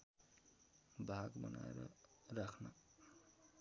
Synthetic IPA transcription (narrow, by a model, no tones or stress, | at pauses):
bʱaɡbʌna̰ḛɾʌ | rakʰnʌ